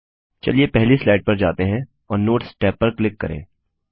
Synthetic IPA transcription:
t͡ʃɐ̰liepɛɦlislaːɪɖ̚pɐɾd͡ʒaːt̪eɦɛ̃ | ɔːɾnoːʈsʈɛːpːɐɾklɪkːɐ̰ɾḛ̃ː

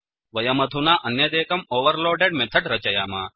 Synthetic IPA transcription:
ʋɐjɐmɐd̪ʱunaʔɐnːjed̪ɛːkɐmoːʋɐɾloːɖeɖmɛt̪ʰɐɖɾɐt͡ʃɐjaːmaː

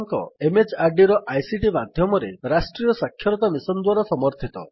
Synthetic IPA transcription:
ŋkɔ̰emed͡ʒaɾɖiɾɔʔajsiʈimad̪ʱjɔmɔɾeɾasʈɾijɔsakʰjɔɾɔt̪amisɔnd̪waɾasɔmɔɾt̪ʰit̪ɔ

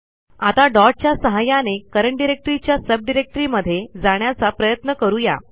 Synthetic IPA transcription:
at̪aɖɔɾʈ̚t͡ɕjasəɦajanekəɾəɳʈɖiɾek̚ʈɾit͡ɕjasəb̚ɖiɾek̚ʈəɾiməd̪ʱːjed͡zaɽ̃jat͡sapɾəjət̪nəkəɾuːja̰

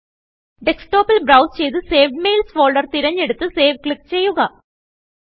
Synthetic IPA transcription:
ɖeksʈoːpɐlbɾɐwst͡ɕe̞jt̪ɨseːʋmeːlsfoːɭɖɐrt̪iɾɐɲːe̞ɽut̪ːɨseːʋkɭik̚ːt͡ɕe̞jːuɣɐ

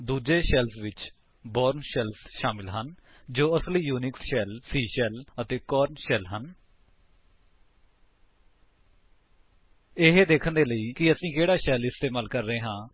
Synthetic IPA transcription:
d̪uːd͡ʒeːʃɛːlsʋɪt͡ʃ | boːɾnʃɛːlsʃaːmɪlɦən | d͡ʒoːəsliːjuːnɪksʃɛːlsiːʃɛːlət̪eːkɔːɾnʃɛːlɦən | ɪɦed̪eːkʰənd̪eːləiːkɪəsĩːkeːɽaːʃɛːlɪst̪eːmaːlkəɾːəeːɦãː

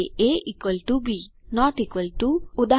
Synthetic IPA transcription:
eʔikʋəlʈubinɔʈikʋəlʈuud̪a

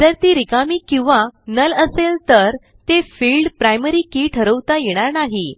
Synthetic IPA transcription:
d͡zəɾt̪iːɾikamiːkĩw̃ʋanələselt̪əɾ | t̪efilɖpɾajməɾikiːʈʰəɾəwt̪ajeɽ̃aɾnaɦi

